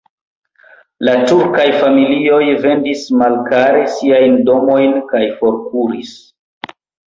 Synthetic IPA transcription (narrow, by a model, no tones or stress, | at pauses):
latuɾkajfamilio̞jve̞ndismalkaɾe̞siajndo̞mo̞jnkajfo̞ɾkuɾis